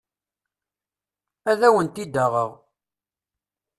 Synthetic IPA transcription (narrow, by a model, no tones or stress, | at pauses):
æðæwənt̪id̪aʁəʁ